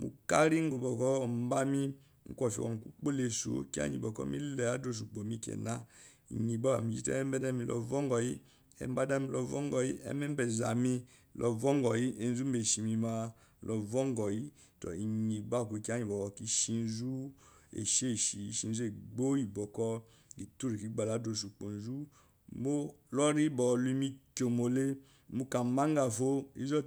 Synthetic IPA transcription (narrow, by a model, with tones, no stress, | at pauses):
mṵ˨ka˦ɾi˦ŋ˦ɡo˨bɔ˨kɔ˦˨m˦ba˦mi˦ | ŋ̩˦kʷɔ˧˨fi˨ɔ̰˨m˨ku˦k͡po˦le˧so̰˨ki˦a̰˦ɲḭ˨bɔ˨kɔ̰˦mi˦lɛ˨a˨˦do˦˨s̬u˨ɡ͡bɔ˨mi˧kʲɛ̰˨na˦ | ḭ˨ɲi˨ba˦ba̰˨mĩ˨d͡ʒi˦tɛ̰˦ɛ˦m˦bɛ˦da˦mi˧lɔ̰˧˨vɔ˦ŋ˦ɡɔ˨ji˦ | ɛ̰˨m˦ba˦da˦mi˧lɔ˧˨vɔ˦ŋ˦ɡɔ˨ji˦ɛ̰˦mɛ˦bɛ˨za˨mi˧ | lʔɔ˧vɔ˦ŋ˦ɡɔ˨ji˦e˨n˦zu˦m̩˦be˨ʃi˨mi˧ma˧ | lʔɔ˨vɔ˦ŋ˦ɡɔ˨ji˦ | tɔ̰˨i˨ɲi˨ɡ͡ba˦˨ku˨i˧ki˦a˦ɲi˨bɔ˨ki˦ʃi˧n˦zu˦ḛ˨ʃe˦˨ʃi˨˦ʃi˧n̩˦zu˦e˦˨ɡ͡bo˦i˨bɔ˨kɔ˧ | ɡi˨tu˦ɾi˨ki˨˦ɡ͡ba˨la˨˦do˨s̬u˨k͡po˨n˨zu˦ | mo˦lɔ˦ɾi˦bɔ˨lu˦i˧˦mi˧ko˨mo˨le˦ | mu˧ka˨ma˦ŋ˦ɡa˨fo˦ḭ˦zɔ˦